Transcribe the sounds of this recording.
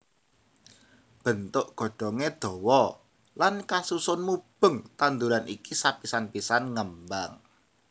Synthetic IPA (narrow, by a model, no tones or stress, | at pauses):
b̥ənt̪ʊʔɡ̥ɔ̤ɖ̥ɔ̤ŋed̪̥ɔ̤wɔ | lankasusʊnmub̥ə̤ŋt̪and̪uɾanikisapisanpisanŋəmbaŋ